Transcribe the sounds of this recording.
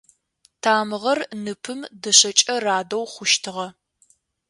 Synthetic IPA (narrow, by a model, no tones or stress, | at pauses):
tʰaːmɨʁɐrnɨpʰɨmdɐɕɐt͡ʃʼɐraːdɐwχʷʊʃtʰɨʁɐ